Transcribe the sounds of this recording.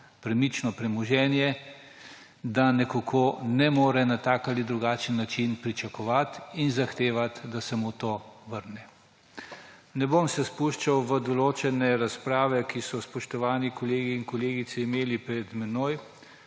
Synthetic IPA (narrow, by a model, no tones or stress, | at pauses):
pɾɛmit͡ʃnɔpɾɛmɔʒɛːnjɛ | d̪anɛkokʰonɛmoːɾɛnat̪aːkalid̪ɾuɡaːt͡ʃənːat͡ʃinpɾit͡ʃakɔʋat̪inzaxt̪eːʋat̪d̪asɛmut̪oːʋəɾnɛ | nɛbomsɛspuʃt͡ʃawʋəd̪ɔloːt͡ʃɛnɛɾaspɾaːʋɛkisɔspɔʃt̪ɔʋaːnikɔleːɡiːnkɔleːɡit̪siːmeːlipɾɛd̪mɛnoːj